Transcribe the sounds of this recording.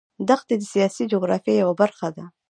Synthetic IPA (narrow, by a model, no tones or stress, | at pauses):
d̪axt̪ed̪əsijɑsid͡ʒoɣɾɑfijejawabaɾxad̪a